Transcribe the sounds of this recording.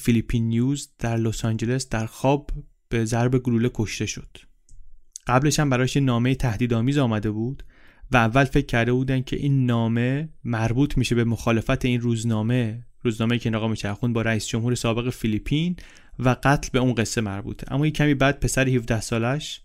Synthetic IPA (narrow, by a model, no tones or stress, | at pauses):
filipʰinːijuːzd̪̥æɾlosɑnd͡ʒe̞le̞sd̪̥æɾxɒːb | b̥e̞zæɾbe̞ɡuɾuːlekʰo̞ʃt̪e̞ʃod̪̥ | ɢ̥æble̞ʃhæmbæɾɒːʃjenːɒːme̞jet̪ʰæhd̪iːd̪ɒːmiːzɒːmæd̪e̞buːd̪̥væːvːælfe̞cʰːæɾd̪e̞buːd̪ænd̪̥̚cʰe̞̰ʔiːnːɒːme̞mæɾbuːt̪ʰmiːʃe̞bemoxɒːle̞fæt̪ʰeiːnruːznɒːme̞ɾuːznɒːme̞jiːcʰeneɣɒːmeʃæɾxund̪bɒːɾæiːsd͡ʒo̞mhuːɾe̞sɒːbe̞ɣe̞filipʰin | væɡæt̪ʰlbe̞unɢe̞sːe̞mæɾbṵt̪ʰeʔæ̰mːɒːjecʰæmiːbæd̪̥̚pʰe̞sæɾihifd̪æhsɒːlæʃ